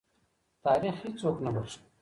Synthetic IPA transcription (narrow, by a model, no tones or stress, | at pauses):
t̪aːɾiːxiːt͡soːknɐbɐɾs